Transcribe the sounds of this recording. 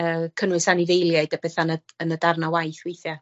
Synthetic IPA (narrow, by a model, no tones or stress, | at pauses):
əːkʰənwɨsaniðejlˠjajdab̥ɛθanəənədarnawajθwejθja